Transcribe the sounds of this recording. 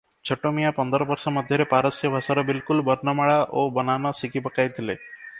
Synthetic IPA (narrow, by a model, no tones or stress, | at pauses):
t͡ʃʰɔʈomijapɔnd̪ɔɾɔbɔɾsɔmɔd̪ʱjɔɾepaɾɔsjɔbʱasaɾɔbilkulbɔɾnɔmaɭaʔobɔnanɔsikipɔkajt̪ʰile